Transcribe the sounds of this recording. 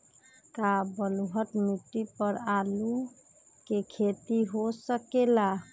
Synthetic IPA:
kabəluɦəʈmiʈːipəɾalu | kekʰet̪iɦosəkela

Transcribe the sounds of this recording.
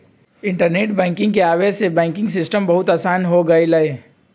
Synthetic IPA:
ɪ̃ɳʈəɾneːʈbɛ̃ːŋkɪ̃ŋɡkeaːʋesebɛ̃ːŋkɪ̃ŋɡsɪsʈəmbɐɦʊt̪aːsaːnɦoɡɐelɐeː

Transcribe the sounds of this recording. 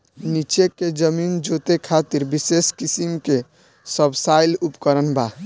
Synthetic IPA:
nit͡ʃekːed͡ʒəmind͡ʒot̪ekʰat̪iɾbiseskisimke | səbsajlupkəɾənba

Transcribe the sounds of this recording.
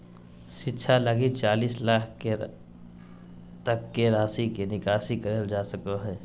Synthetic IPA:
ʃɪtːʃʰaləɡit͡ʃaːliːslaːkʰke | t̪əkːeɾaːsikenɪkaːʃikəɾeld͡ʒaːsəkoɦɛ̃ː

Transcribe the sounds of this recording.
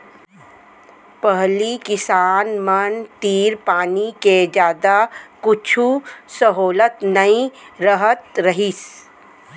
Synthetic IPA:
pəɦlikɪsaːnmənt̪iːɾpaːniked͡ʒjaːd̪akʊt͡ʃʰusəɦoːlət̪nəĩɾəɦət̪ɾəɦis

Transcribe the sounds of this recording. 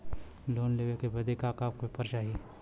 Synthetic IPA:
loːnleːʋekebɐd̪ekaːkaːp̚kopəɾt͡ʃaːɦie

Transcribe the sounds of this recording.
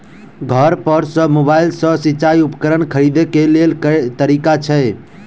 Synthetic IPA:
ɡʱəɾpəɾsə̃mobailsə̃sit͡ʃaiupəkəɾənkʰəɾid̪ekelelt̪əɾikat͡ʃʰɛ

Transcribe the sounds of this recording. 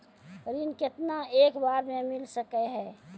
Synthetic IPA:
ɾinkɪt̪naeːkbaːɾmẽmɪlsəkɛɦɛː

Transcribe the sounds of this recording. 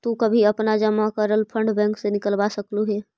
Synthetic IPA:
t̪ukəbʱiɐpnad͡ʒəmakəɾəlpʰə̃ɳɖbɛ̃ːŋksenɪkəlbasəkluɦɛː

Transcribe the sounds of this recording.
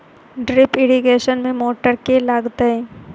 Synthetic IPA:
ɖɾɪpɪɽiɡeːʃənmẽmoːʈəɾkelaːɡt̪aɦɛ̃

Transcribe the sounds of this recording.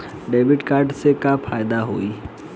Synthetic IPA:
ɖeːʋɪʈkaːɾɖsekafʰaːɪd̪aɦoːiː

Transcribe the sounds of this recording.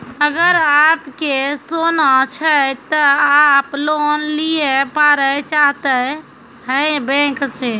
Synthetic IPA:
əɡəɾapkesonat͡ʃʰət̪əaplonliepaɾət͡ʃaɦt̪ə | həbɛ̃kse

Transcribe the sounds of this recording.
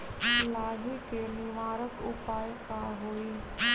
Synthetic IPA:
laːɦikeniʋaːɾəkʊpaːjkãɦoːiː

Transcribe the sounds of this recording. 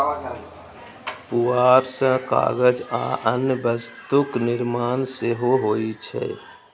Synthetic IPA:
puaːɾsə̃ka̰ːɡəd͡ʒa̰ʔənjəbəst̪ʊknɪɾmaːnseɦoɦoːit͡ʃʰɛ̰ː

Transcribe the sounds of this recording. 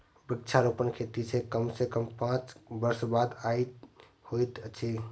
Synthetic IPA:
bɪk̚t͡ʃʰaɾopənkʰet̪isekəmsekəmpãt͡ʃbəɾsbad̪ai | hojt̪t͡ʃʰi

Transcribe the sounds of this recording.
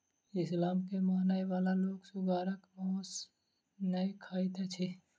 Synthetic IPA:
ɪslaːmkemaːnaːjʋaːlaloːɡsʊɡaːɾəkmɔːs | nɐikʰaːit̪ɛt͡ʃʰe

